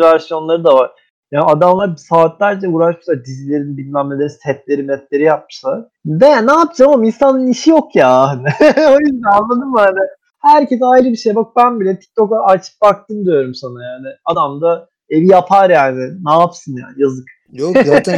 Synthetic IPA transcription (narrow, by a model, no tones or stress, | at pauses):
væɾsijo̞nlˠaɾɯd̪avaɾ̥ | jaːnad̪amlˠaɾbsaːt̪lʲæɾd͡ʒauːɾaʃmɯsad̪izilʲe̞ɾinbinːʲæmme̞lʲeɾinsʰɛt̪lʲe̞ɾimɛt̪lʲe̞ɾijap̚mɯ̥sa | d̪ɛnaːpd͡ʒaaminsanːɯniʃijo̞kjaːɦanɪo̞jyzd̪ænanlːˠad̪ɯmaanɪ | hæɾcesajɾɯbiʃe̞jbakɯbænbilʲɛt̪ʰi̥c̚t̪ʰo̞kaat͡ʃʰɯ̥p̚bak̚t̪ɯmd̪ijo̞ɾumsanajaːnɪad̪amd̪a | e̞vijapʰaɾjaːnɪnaːpsɯnja̰ːnjazɯk | jo